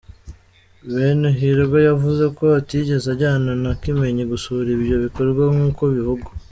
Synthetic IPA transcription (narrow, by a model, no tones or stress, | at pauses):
βeːnuɦiɾɡojavuze̞ko̞tiɟe̞zaɟaːnonakime̞ɲeɡusuɾiβjo̞βikoɾɡwaŋuːkoβihuɡu